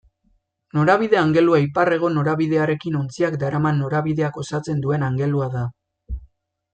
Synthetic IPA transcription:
no̞ɾaβiðe̞aŋɡe̞luaipare̞ɣ̞o̞no̞ɾaβiðe̞aɾe̞kino̞nt͡siakd̪aɾamanːo̞ɾaβiðe̞ako̞sat͡se̞nd̪ue̞naŋɡe̞luaða

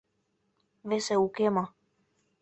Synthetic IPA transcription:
βeseukema

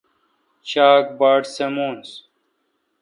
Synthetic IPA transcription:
t͡ɕaːk̚baːɖsemoːns

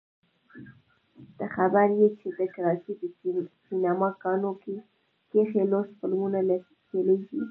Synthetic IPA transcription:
d̪̥əxabaɾjet͡ʃed̪əkaɾɑsip̪sinamɑkɑnoke | kexelospəlmunala | keleʃi

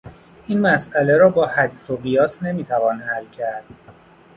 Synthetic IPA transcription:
ʔiːnmæsʔæleɾɒːbɒːhæd͡ʒ̪soɣijɒːsne̞miːt̪ʰævɒːnhælːcʰæɾd̪̥

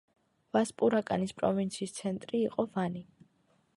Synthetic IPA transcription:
vaspʼuɾakʼa̰nispʼɾɔvint̪sʰiːst̪sʰɛnt̪ʼɾiːqʼɔvani

